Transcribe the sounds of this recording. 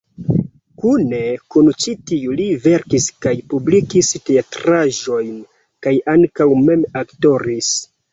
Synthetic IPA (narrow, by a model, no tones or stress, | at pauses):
kune̞kunt͡ʃitiulive̞ɾkiskajpublikisteatɾaʒo̞jn | kajaŋkawme̞makto̞ɾis